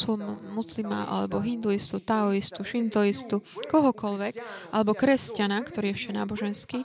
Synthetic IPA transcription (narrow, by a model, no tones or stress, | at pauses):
summuslima̰ʔa̰lɛ̰bɔɦind̪uist̪ut̪aɔist̪uʃind̪uist̪ukɔɦɔkɔlʋɛkʔalɛbɔkɾɛscanakt̪ɔɾiːjɛfʃana̰ːbɔʒɛnskiː